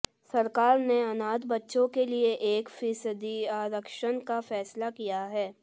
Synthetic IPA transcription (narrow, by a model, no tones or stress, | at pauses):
sɐɾkaːɾneɐnaːd̪bɐtːʃõkelieʔeːkfɪsəd̪iaːɾəkʃənkafɛːslakijaɦɛː